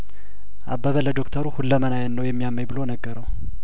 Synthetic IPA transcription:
ʔa̰bːəβələd̪o̞kt̪ʰəɾuhulːəmənajənːəwjɛmːijamːəjbɨlonəɡːəɾəw

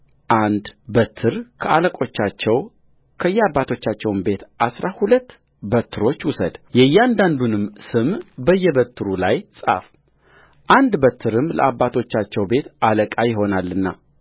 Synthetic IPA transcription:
ʔand̪bət̪ʰːɨɾkʰəaləkʼo̞t͡ʃːat͡ʃːɛw | kʰəjːɛabːat̪ʰo̞t͡ʃːat͡ʃːɛwmbe̞t̪ʔasɾahulət̪ː | bət̪ʰːɨɾo̞t͡ʃːwʊsə̰d̪jɛjːɛand̪and̪unɨmsɨmbəjːɛbət̪ʰːɨɾulajsʼa̰f | ʔand̪bət̪ʰːɨɾɨmlə̰abːat̪ʰo̞t͡ʃːat͡ʃːɛwbe̞t̪aləkʼajɪɦo̞nalːɨnːa

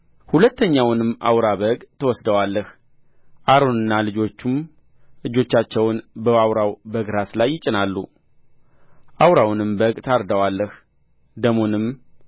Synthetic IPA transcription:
hulət̪ʰːəɲːawnɨmːʔa̰wɾaβəɡt̪ʰəwɔsd̪əwalːəh | ʔaɾonɨnːalɨd͡ʒo̞t͡ʃːum | lɨd͡ʒo̞t͡ʃːat͡ʃːɛwnbəawɾawbəɡɾaslajːɪt͡ʃʼɪnalːu | ʔawɾawnɨmbəɡt̪ʰaɾd̪əwalːəh | d̪əmo̞nɨmː

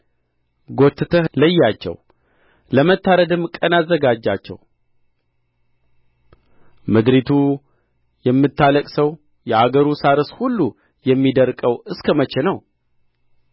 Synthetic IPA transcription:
ɡot̪ːɨt̪ʰələjːat͡ʃːɛ̰w | ləmət̪ːaɾəd̪ɨmkʼənazːəɡad͡ʒːat͡ʃːɛ̰w | mɨd̪ɾit̪ʰu | jɛmːɨt̪ʰːaləkʼsəw | jɛʔaɡəɾusaɾɨshulːu | jɛmːid̪əɾkʼəwɨskʰəmət͡ʃːɛnəw

